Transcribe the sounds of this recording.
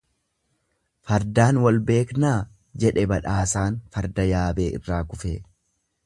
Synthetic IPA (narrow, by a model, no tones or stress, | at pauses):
fɐɾd̪aːnwɐlbe̞ːknaː | d͡ʒɛᶑɛbɐᶑaːsaːnfɐɾd̪ɐjaːbe̞ːʔɪ̰rːaːkʊfḛː